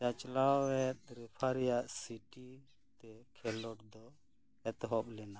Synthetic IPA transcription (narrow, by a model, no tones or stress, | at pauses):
t͡ʃat͡ʃlaɛt̪̚ɾɛpʰaɾɛjaʔsiʈi | t̪ɛkʰɛlɔʈd̪ɔ | ɛt̪ɦɔplɛna